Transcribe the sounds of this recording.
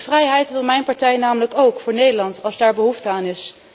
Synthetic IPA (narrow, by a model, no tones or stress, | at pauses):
vrɛjɦɛjtʋɪlˠmɛjnpɑɹtɛjnaːmələkowkfʊːɹnejdəɹlɑntɑlˠzdaːɹbəɦuftəaːnɪs